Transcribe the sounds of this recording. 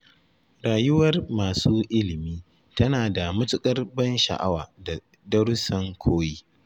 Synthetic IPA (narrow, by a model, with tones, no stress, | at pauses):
ɾaː˨jʊ˦wɐ˦rmaː˨suː˦ʔɪ˦lɪ˨miː˦ | tɐ˦naː˨da˨mʊ˦tʊ˦kʼɐ˦rbɐ˦nʃɐ̰˨ʔa˦waː˨da˨ | dɐ˦ɽsɐ˦ŋkʷʰoː˦jiː˦